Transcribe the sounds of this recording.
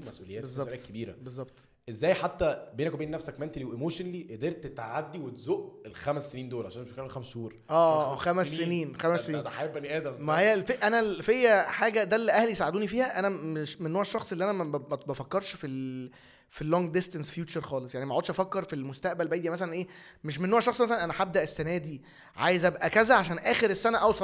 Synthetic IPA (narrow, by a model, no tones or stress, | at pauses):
mæsʔuːlejːæːbezˤːɑkebiːɾæ̰bezˤːɑb̚t̪ˤ | ʔezːæːjħat̪ːæbeːnækwbeːnːæfsækment̪liwʔemoːʃonliʔed̪eɾt̪t̪ʕad̪ːiwet̪zoʔelxæmæsːeniːnd̪oːlʕa̰ʃæːnt̪efækːeɾxæmshuːɾˤʔæːxæmæsːeniːnxæmæsːeniːnæħajebːæniʔæːd̪æmmæhejːælfeʔʔænælfejːæħaːɡæd̪ælːiʔæhlijsaʕed̪uːnifiːhæʔænæmeʃmenːoːʕæʃːɑxsˤelːiʔænæmææt̪bæfækːɑɾˤʃfil | filːoŋɡd̪est̪ænsfjuːt͡ʃɑɾˤxɑːlesˤjaʕnimæʔʕoːd̪ʃʔɑfækːeɾˤfilmost̪æʔbælbæjd̪iæmæs̬ælænʔeː | meʃ̬menːoːʕæʃːɑxsˤmæs̬ælænʔænæħab̚d̪æʔesːænæːd̪i | ʕa̰jezæbæʔækæzæʕaʃæːnʔæːxeɾesːænæʔɑwsˤɑ